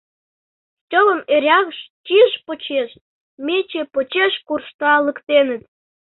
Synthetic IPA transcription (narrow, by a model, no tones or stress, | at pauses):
tʲoβə̆meɾʲɑɣʃt͡ɕiʃpot͡ɕeʃ | mʲet͡ɕepot͡ɕeʃkurʃt̪ɑləkt̪enə̆t̪